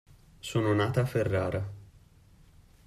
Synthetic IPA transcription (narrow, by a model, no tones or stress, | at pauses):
soːnonaːt̪aːferːaːɾa